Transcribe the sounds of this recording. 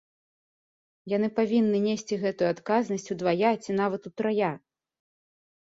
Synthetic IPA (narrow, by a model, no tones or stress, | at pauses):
jan̪ɨpavʲinːɨnʲesʲt͡sʲiɣɛt̪ujuat̪kaznɐsʲt͡sʲud̪vajat͡sʲin̪avɐt̪ut̪ɾaja